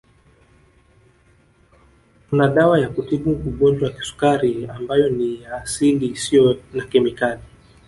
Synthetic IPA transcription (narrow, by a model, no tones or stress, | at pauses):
kunaɗawajakutiɓuuɠɔnd͡ʒwawaki̥su̥kaɾiambajɔnijaːsilisijɔnakɛmikali